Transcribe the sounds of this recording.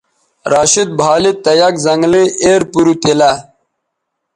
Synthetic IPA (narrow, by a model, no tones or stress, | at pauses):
ɾaːɕid̪̚bʱaːlit̪ɐjakzɐŋɡlieːɾpuɾut̪ela